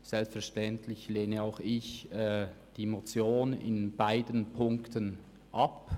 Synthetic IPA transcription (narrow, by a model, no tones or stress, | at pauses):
z̥ɛlstfɛɐʃtɛntʰlɪçleːnəaʊxɪçɛː | d̥imot͡sjoːnɪ̰nbaɪdənpʰʊŋktən | ʔap